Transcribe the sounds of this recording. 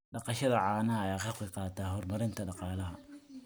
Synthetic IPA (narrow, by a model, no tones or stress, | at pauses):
ɖɑqɑʃɐðɐʕɑːnɐɐjaːχɑːkʰɛqɑːt̪ʰaːɦɔrmɐɾɪnt̪ʰɐɖɑqɑːlɐɦɐ